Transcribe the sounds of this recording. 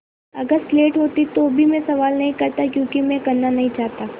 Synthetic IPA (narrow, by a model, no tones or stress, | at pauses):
ɐɡəɾsleːʈɦoːt̪it̪obʱimɛ̃sɐʋaːlnɐɦĩkɐɾt̪akjõːkimɛ̃kɐɾnanɐɦĩt͡ʃaːɦt̪aː